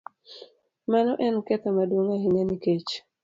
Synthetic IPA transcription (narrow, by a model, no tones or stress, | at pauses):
manɔʔɛnkɛt̪ɛmadwoŋaɦineniket͡ʃ